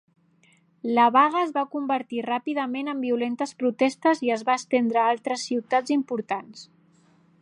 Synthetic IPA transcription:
ləβaɣ̞əːzβakumbəɾt̪irapiðəmenəmbiulent̪əspɾut̪ɛst̪əziəzβaːst̪end̪ɾəalˠt̪ɾəsːiwt̪ad͡zimpuɾt̪ans

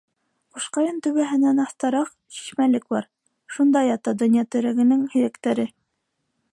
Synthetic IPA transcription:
quʃqɑjɤnt̪ɵ̆βæɦɘ̆nænɑθt̪ɑɾɑq | ɕi̥ʃmælɘk̚bɑɾ | ʃund̪ɑjɑt̪ɑd̪ɵ̆njɑt̪ɵ̆ɾæɡɘ̆nɘŋhiɾækt̪æɾɘ

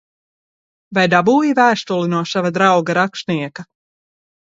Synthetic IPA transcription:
vajd̪abuːjivæːʃt̪ulinuɔʃavad̪ɾawɡaɾakʃniɛka

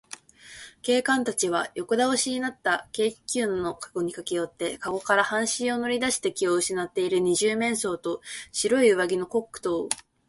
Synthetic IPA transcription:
ke̞ːkãnt̪at͡ɕiβ̞ajo̞kod̪aoɕiɲ̟inat̪ːake̞̥ːkʲɨːnːo̞kḁɡo̞ɲ̟ikakejo̞t̪ːe̞kaɡo̞kaɾahãɰ̃ɕĩɰ̃o̞no̞ɾʲid̪aɕi̥t̪e̞kʲio̞ɯ̟ɕinat̪ːe̞iɾɯ̟ɲ̟iʑɨːmẽ̞ɰ̃so̞ːt̪o̞ɕiɾo̞iɯ̟βaɡʲino̞ko̞kːɯ̟̥t̪o̞ː

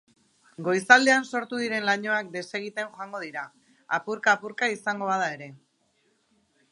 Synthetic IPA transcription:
ɡo̞jsald̪e̞anso̞ɾt̪uðiɾe̞nlaɲo̞ak̚d̪e̞se̞ɣ̞it̪e̞nxoaŋɡo̞ð̞iɾa | apuɾkaːpuɾkaisaŋɡo̞βað̞ae̞ɾe̞

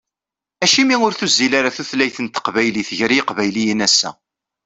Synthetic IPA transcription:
æʃimiʊɾθuzːilaɾaθuθlæjθənt̪ə̥qvæjliθəʝɾiqvæjlijinæsːæ̰

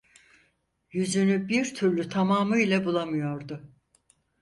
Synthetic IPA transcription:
jyzynybiɾt̪ʰyɾlʲyt̪ʰamaːmɯilʲabulˠamɯjo̞ɾd̪ʊ

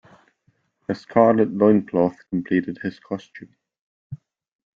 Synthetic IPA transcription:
əskʰɑɹləʔlɔ̃ɪ̃nkʰl̥ɔθkʰə̃mpʰl̥iʔɪd̥̚hɪz̥kʰɔst͡ʃʉ̃m

